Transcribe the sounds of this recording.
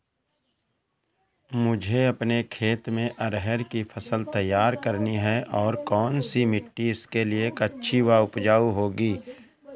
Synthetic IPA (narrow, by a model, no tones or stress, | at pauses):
mʊd͡ʒʱeɐpnekʰeːt̪mẽʔɐɾɦɛɾkipʰɐsəlt̪ɐjːaːɾkəɾniɦɛʔɔːɾkɔːnsimɪʈːiɪskeliekɐtːʃʰiwaʊpd͡ʒaːuɦoːɡiː